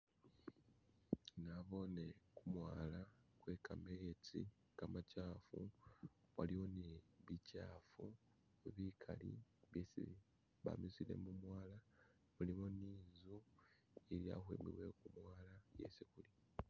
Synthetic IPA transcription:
naβo̞ne̞kumwaːlakwe̞kamejetḭ | kamacaːfu | waliwoneβicaːfu | eβikʰalḭβjesii | βa̰mizilḛmumwaːla | βulimoniːzu | elja̰xwḛːmbḭβwe̞̰kumwaːlajḛsikuli

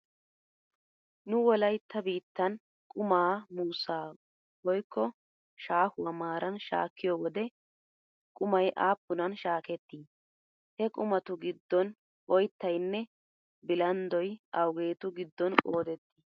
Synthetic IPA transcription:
nʊwɔlɐjt̪ːɐbiːt̪ːɐn | kʼʊmaːmuːsaː | wɔjkːɔ | ʃaːhʊɐmaːɾɐnʃa̰ːkːɪjowɔd̪ɛ | kʼʊmɐjʔaːpːʊnɐnʃaːkɛt̪ːiː | hɛkʼʊmɐt̪ʊɡɪd̪ːɔn | ɔjt̪ːɐjnːɛ | bɪlɐnd̪ɔjɐwɡe̞ːt̪ʊɡɪd̪ːɔnkʼoːd̪ɛt̪ːi̥

